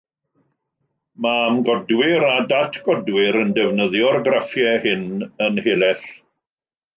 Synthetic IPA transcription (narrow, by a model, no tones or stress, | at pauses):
mamɡɔdwɪɾadatʰɡ̥ɔdwɪɾəndɛvnəðjɔrɡrafjɛhɪnənheːlɛθ